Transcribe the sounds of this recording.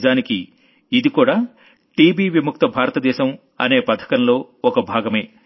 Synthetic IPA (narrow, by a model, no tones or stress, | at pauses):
zaːniki | id̪ikuːɽaː | ʈiːbiːʋimuk̚t̪ɐbʱaːɾɐt̪ɐd̪ɛːʃɐm | ɐ̰ne̞ːpɐt̪ʰɐ̥kɐnlo̞ː | ɔkɐbʱaːɡɐme̞ː